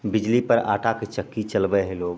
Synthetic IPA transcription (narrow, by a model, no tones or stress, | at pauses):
bɪd͡ʒlipəɾa̰ːʈʰaket͡ʃəkːit͡ʃəlbəɦɛloːɡ